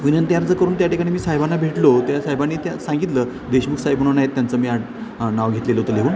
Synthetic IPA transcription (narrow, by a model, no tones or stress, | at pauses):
ʋinənt̪jaɾd͡zəkəɾuːnt̪jaʈikaɽ̃iːmiːsaɦjbanːabʱeʈlot̪jasajbanːit̪jasãŋɡit̪lə | d̪eɕmukʰsaɦjbəɳ̃unajet̪ːjant͡səːmiːaʈ | naʋɡʱet̪leləɦot̪əleʋuːn